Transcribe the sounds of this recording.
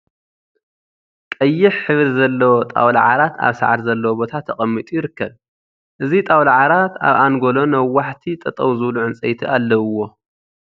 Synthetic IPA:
kʼɐjːɪħħɨβɾizɐlːɐwot̪ʼa̰wlaʕaɾat̪a̰βsa̰ʕad̪zɐlːɐwobo̞t̪ʰat̪ʰːɐkʼɐmːit̪ʼujɪɾɨkːɐβ | ʔɨzit̪ʼawlaʕaɾat̪a̰βanɡo̞lo̞nɐwːaħt̪ʰit̪ʼɐt̪ʼɐwzɨβluʕɨnt͡sʼɐjt̪ʰiʔalːɐwːo̞

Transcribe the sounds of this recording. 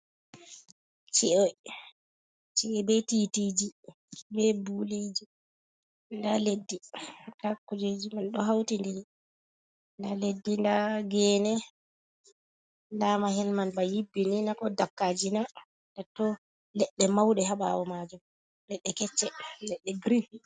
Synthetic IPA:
t͡ʃiʔɔj | t͡ʃiɛbɛtitiːd͡ʒi | bɛbuled͡ʒi | ndaledːindakud͡ʒed͡ʒimanɗɔɦawtindiɾi | ndaledːindaɡɛːnɛ | nlaːmaɦɛlmanbajibːininakɔdakːad͡ʒina | datːɔ | lɛɗːɛmawɗɛɦaɓa̰wɔmad͡ʒum | lɛɗːɛkɛt͡ʃːɛlɛɗːɛɡɾifi

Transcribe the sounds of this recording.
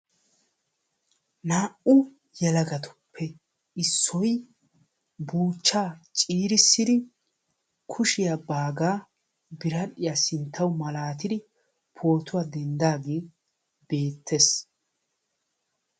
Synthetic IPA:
naːʔʊ | jɛlɐɡɐt̪ʊ̥pʰːɛ | ɪsːɔj | buːt͡ʃːaːt͡ʃʼiːɾɪsːɪd̪ɪ | kʰʊʃɪjabaːɡaː | bɪɾɐɗɪjasɪnt̪ʰːɐwmɐlaːt̪ɪd̪ɪ | pʰo̞ːt̪ʊwad̪ɛnd̪aːɡeː | b̥e̞ːt̪ʰːes

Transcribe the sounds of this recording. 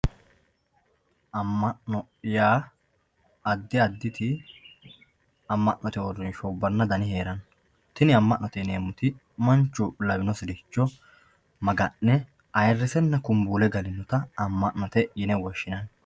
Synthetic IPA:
ɐmːɐʔnɔ | jaː | ɐd̪ːɪɐd̪ːɪt̪ɪ | ɐmːɐʔnɔt̪ɛɔrːɪnʃɔbːɐnːɐd̪ɐnɪheːɾɐn | t̪ɪnɪɐmːɐʔnɔt̪ɛneːmʊt̪ɪ | mɐnt͡ʃːʊlɐbɪnɔsɪd̪ɪt͡ʃːɔ | mɐɡɐnːɛ | ɐjrːɪsɛnːɐkʊmbuːlɛɡɐlɪnːɔt̪ɐɐmːɐʔnɔt̪ɛjɪnɛwɔʃːɪnɐn

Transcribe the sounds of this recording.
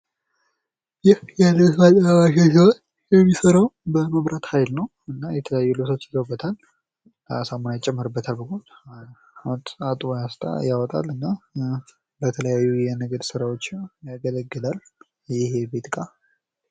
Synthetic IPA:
jɪhjalːəsmalaβaʃasiwot͡ʃː | jɛmːisəɾawbəməβɾat̪hajlnəw | ɨnːajɛt̪ʰələjajːulɨsʰot͡ʃːɪzəwbːət̪ʰal | samonajt͡ʃʼːɛmːɨɾɨbːət̪ʰalbəɡo | at̪ʼat̪ʼujast̪ʰʼa̰jawɔt̪ʼa̰lɨnːa | bət̪ʰələjajːujɛnəɡəd̪sɨɾawot͡ʃːjaɡələɡːɨlal | jɪhebet̪kʼa

